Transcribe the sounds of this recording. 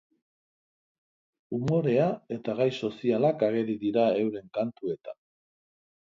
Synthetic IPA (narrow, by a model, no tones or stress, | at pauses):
umo̞ɾe̞ae̞t̪aɣajso̞sialakaɣe̞ɾiðiɾae̞wɾe̞ŋkant̪ue̞t̪a